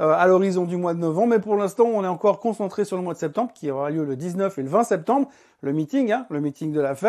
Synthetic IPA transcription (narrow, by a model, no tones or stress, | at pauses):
øalɔʁizɔ̃d̪ymwad̪ənɔvɑ̃bmɛpuʁlɛ̃st̪ɑ̃ɔ̃nɛɑ̃kɔʁkɔ̃sɑ̃t̪χesyʁləmwad̪əsɛp̚t̪ɑ̃bʁkʲiɔʁaljøləd̪iznœfeləvɛ̃sɛp̚t̪ɑ̃bʁ | ləmit̪iŋɡɛ̃ləmit̪iŋd̪əlafɛ